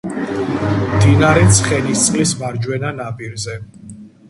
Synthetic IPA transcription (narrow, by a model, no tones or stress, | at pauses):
md̪inaɾɛt̪sʰχɛnist̪sʼqʼlismaɾd͡ʒwɛnanapʼiɾzɛ